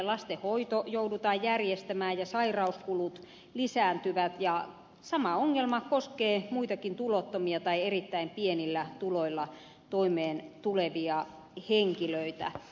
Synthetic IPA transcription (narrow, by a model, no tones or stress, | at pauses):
lɑst̪ehoit̪ojoudut̪ɑːjjærjest̪æmæːjjɑsɑirɑuskulut̪ | lisæːnt̪yʋæt̪jɑ | sɑmɑoŋːelmɑkoskeːmuit̪ɑkint̪ulot̪ːomiɑt̪ɑierit̪ːæimpienilːæt̪uloilːɑ | t̪oimeːnt̪uleʋiɑ | heŋkiløit̪æ̰